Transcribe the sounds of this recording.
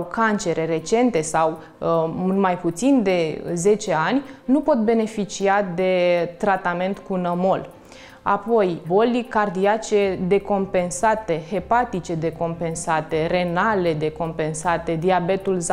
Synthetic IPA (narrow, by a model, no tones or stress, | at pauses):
kant͡ʃe̞ɾe̞ɾe̞t͡ʃe̞nt̪e̞saw | nmajput̪sind̪e̞ze̞t͡ʃe̞anʲnupo̞t̪̚be̞ne̞fit͡ʃiad̪e̞t̪ɾat̪ame̞nt̪kunəmo̞l | a̰po̞jbo̞likard̪iat͡ʃe̞d̪e̞ko̞mpe̞nsat̪e̞he̞pat̪it͡ʃe̞d̪e̞ko̞mpe̞nsat̪e̞re̞nale̞d̪e̞ko̞mpe̞nsat̪e̞d̪iabe̞t̪ulz